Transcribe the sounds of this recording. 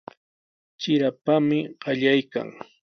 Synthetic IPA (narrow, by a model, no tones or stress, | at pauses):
t͡ʃɪɾapamɪɢ̥ɑʎajka̰ŋ